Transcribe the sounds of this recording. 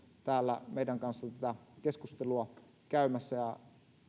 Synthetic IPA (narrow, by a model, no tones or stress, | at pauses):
t̪æːlːæ̰meidæŋkɑnsːɑt̪æt̪ækeskust̪eluɑ | kæymæsːæjɑ